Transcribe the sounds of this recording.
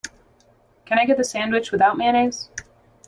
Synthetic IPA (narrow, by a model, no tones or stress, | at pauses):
kʰɨ̃ñaɪɡɛt̪̚ðɨsæ̃nd̚wɨt͡ʃwɨθaʊt̚mæ̃ɾ̃ez̥